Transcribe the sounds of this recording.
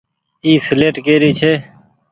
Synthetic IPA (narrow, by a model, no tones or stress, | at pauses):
iːsleːʈkeːɾiːt͡ʃʰeː